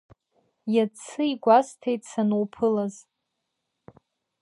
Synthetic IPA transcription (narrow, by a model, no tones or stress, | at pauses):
jat͡sʰɨiɡʷastʰejtʼsanuwpʰɨlaz